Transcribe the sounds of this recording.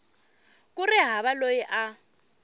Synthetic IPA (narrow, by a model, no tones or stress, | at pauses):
kʼurɪɦaβalojiʔa